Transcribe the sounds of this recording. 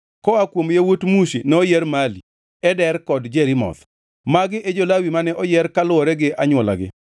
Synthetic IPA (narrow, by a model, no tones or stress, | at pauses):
kɔakwomjawotmuʃenɛɔjɛɾmali | ɛdɛrkɔdd͡ʒɛɾɪmɔ̰t̪ | maɡɪʔed͡ʒolawimanɛʔɔjɛɾkalʊɔɾɛɡɪʔaɲwɔla̰ɡɪ̰